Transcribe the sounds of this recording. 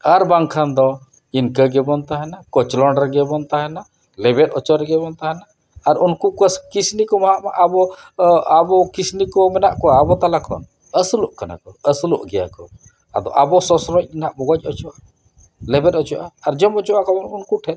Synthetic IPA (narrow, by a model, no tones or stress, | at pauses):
aɾbaŋkʰand̪ɔ | inkəɡɛbɔnt̪aɦɛnakɔt͡ʃlɔɳɖɾɛɡɛbɔnt̪aɦɛna | lɛbɛt̪ɔt͡ʃɔɾɡɛbɔnt̪aɦɛnaː | ɾunkukəskisnikɔmaɦaʔma̰ʔabɔ | abɔkisnikɔmɛnaʔkɔaːbɔt̪alakʰɔ̰n | əsəlɔʔkana̰kɔəslɔ̰ʔɡɛja̰kɔ̰ | a̰d̪ɔ̰ʔabɔsɔsɾɔc̚ˀinaʔbɔɡɔc̚ˀɔt͡ʃɔʔa | lɛbɛtɔt͡ʃɔʔaaɾd͡ʒɔmɔt͡ʃuʔakɔbɔnunkuʈʰɛn